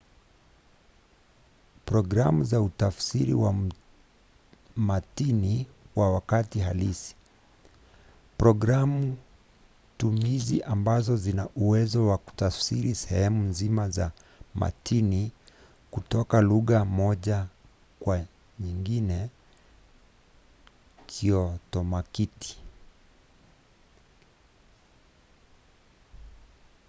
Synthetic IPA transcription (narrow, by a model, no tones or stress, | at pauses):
pɾɔɡɾamuzautafsiɾḭwa | matiniwawakatiɦalisi̥ | pɾɔɡɾamu | tumizḭʔambazɔzinaʔuwɛzɔwaku̥tafsiɾisɛhhɛmunzimaza | ma̰tʰini | kutɔkaluɣamɔʄa | kwa | ɲiŋɡinɛ | kiɔtɔmakiti̥